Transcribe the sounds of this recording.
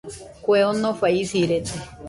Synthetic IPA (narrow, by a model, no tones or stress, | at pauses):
kʷeonofaisiɾet̪e